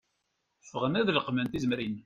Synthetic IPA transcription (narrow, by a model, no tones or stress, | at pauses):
fːəʁənæðləqmənt̪izmɾin